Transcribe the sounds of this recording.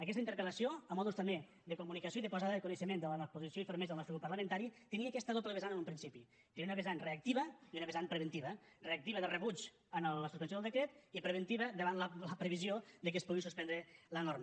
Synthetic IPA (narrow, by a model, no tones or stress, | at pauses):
əkɛst̪əint̪əɾkələsioəmɔðust̪əme | ðəkumunikəsjoiðəpozaðəðəkunəʃəmend̪ələnɔpuzisjoifəɾmezlˠnɔsɾkupəɾləmə̃nt̪aɾit̪əniəkɛst̪əðopləβezanənumpɾinsipi | t̪eniunəβezanreək̚t̪iβəiunəβezanpɾəβənt̪iβə | reək̚t̪iβəðərəβut͡ʃ | ənəlːəsu̥pənsjoəlˠd̪əkɾɛt̪ipɾəβ̞ənt̪iβəd̪əβanlələpɾəβizioðəkəspuɣisuspɛnd̪ɾələnoɾm